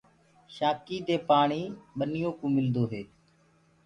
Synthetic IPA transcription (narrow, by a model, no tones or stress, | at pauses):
ʃaːkiːd̪eːpaːɳiːɓənɪjõːkũːmɪld̪oːɦeː